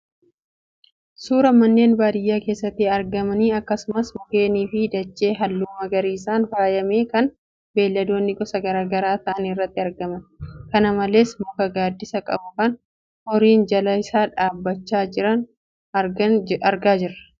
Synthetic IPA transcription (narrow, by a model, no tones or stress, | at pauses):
suːɾɐmɐnːe̞ːnbaːd̪ɪjːaːke̞ːsːɐt̪ːɪɐɾɡɐmɐniːɐkːɐsʊmɐsmʊke̞ːniːfɪd̪ɐt͡ʃːe̞ːɦɐlːuːmɐɡɐɾiːsaːnfaːjɐme̞ːkɐn | be̞ːlːɐd̪o̞ːnːɪɡɔsɐɡɐɾaːɡɐɾaːt̪ɐʔɐnɪrːɐt̪ːɪɐɾɡɐmɐnkɐnɐmɐle̞ːsmʊkɐɡaːd̪ːɪsɐkʼɐ̰bʊkɐn | hɔɾiːnd͡ʒɐlɐɪsaːᶑaːbːɐt͡ʃːaːd͡ʒɪɾɐn | ɐɾɡaːd͡ʒɪɾɐ̥